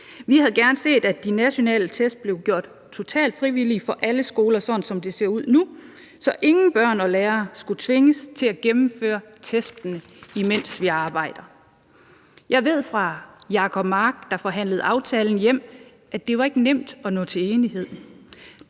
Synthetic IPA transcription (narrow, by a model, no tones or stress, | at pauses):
ʋihæðˠɡ̥æɐnse̝̰ːd̥æd̥inæɕo̝nɛ̰ːlət͡sʰesd̥̚b̥le̝ʊɡ̥jo̝ɐ̰d̥ | t͡sʰo̝t͡sʰɛ̰ːld̥fʁiʋilifɒ̽ʔæləsɡ̥o̝ːlɐsɒ̥̽nsɒ̽md̥e̝se̝ɐ̰uð̰ˠnu | sɒ̽ʔe̝ŋn̩b̥ɶɐ̰nɒ̽leːɐsɡ̥ut͡sʰʋe̝ŋəst͡sʰe̝læɡ̥emm̩fø̰ːɐt͡sʰesd̥nəimen̰sʋiɑ̈ːb̥ɑ̈ɪ̰d̥ɐ | jʔɑ̈ɪʋe̝ð̞̰ˠfʁɑ̈jɑ̈ːkʰɒ̽b̥mɑ̈ːɡ̥̚d̥ɑ̈fɒ̽ɦæn̰ləð̩ˠɑ̈ʊt͡sʰɛːln̩jem̰ | ʔæd̥e̝ʋɑ̈e̝ɡ̥ənem̰d̥ɒ̽nɔ̰̽ːt͡sʰe̝e̝ːniɦe̝ð̞̰ˠ